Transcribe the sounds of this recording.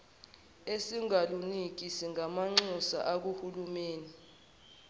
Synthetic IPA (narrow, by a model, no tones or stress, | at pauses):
esiŋalunik̬isiŋʱamaŋ͡ǁusa̰ʔak̬uhulumeːni